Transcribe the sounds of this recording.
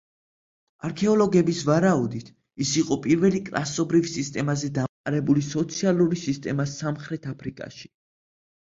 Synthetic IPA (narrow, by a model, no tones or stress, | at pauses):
aɾkʰɛɔlˠɔɡɛbisvaɾaud̪it̪ʰ | isiqʼɔpʼiɾvɛlikʼɾa̰sɔbɾivsist̪ʼɛmazɛd̪aqʼaɾɛbulisɔt̪sʰialˠuɾisist̪ʼɛmasamχɾɛt̪ʰapʰɾikʼa̰ʃi̥